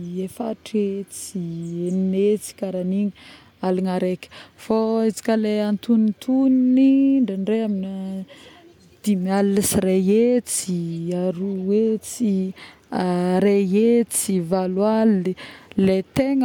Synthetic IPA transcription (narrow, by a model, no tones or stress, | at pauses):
efaʈ͡ʂet͡sieninet͡si̥kaɾaniŋə | aliŋaɾekʲə̥foet͡si̥kʲəleant̪unit̪ʰunniɳɖ͡ʐaɳɖ͡ʐeamini | d̪̥imialːisireet͡siaɾuwet͡si | ɾeet͡sivalwalilet̪eŋ